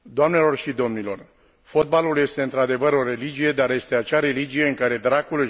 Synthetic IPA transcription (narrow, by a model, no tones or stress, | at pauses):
d̪oamne̞lo̞rʃid̪o̞mnilo̞r | fo̞t̪̚balulje̞st̪e̞ɨnt̪ɾad̪e̞vəɾo̞ɾe̞lid͡ʒije̞d̪aɾje̞st̪e̞at͡ʃaɾe̞lid͡ʒije̞ɨŋkaɾe̞d̪ɾakul